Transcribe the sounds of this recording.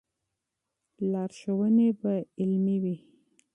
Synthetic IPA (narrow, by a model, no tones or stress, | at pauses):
lɑɾʃəwənebaɪlmiwi